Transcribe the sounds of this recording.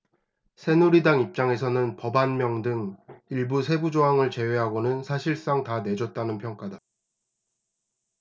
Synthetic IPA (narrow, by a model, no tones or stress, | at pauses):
sʰe̞nuɾidaŋip̚t͡ɕ͈aŋe̞sʰʌnɯnpʌbanmjʌŋdɯŋiɭbusʰe̞bud͡ʑoɦaŋɯɭt͡ɕe̞weɦaɡonɯnsʰaɕʰiɭs͈aŋtane̞d͡ʑʌt̚t͈anɯnpʰjʌŋk͈ada